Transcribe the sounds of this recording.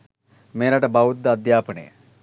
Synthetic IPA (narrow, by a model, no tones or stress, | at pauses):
meːɾaʈəbaud̪ːɐd̪jaːpənə̰jə̰